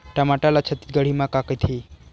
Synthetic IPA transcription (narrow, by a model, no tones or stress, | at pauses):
ʈamaʈalat͡ɕʰət̪i̥t̪̚ɡəɽ̤imakakəjt̪ʰi